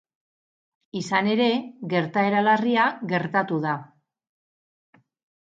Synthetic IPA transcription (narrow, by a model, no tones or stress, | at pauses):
isane̞ɾe̞ɣe̞ɾt̪ae̞ɾalariaɣe̞ɾt̪at̪uða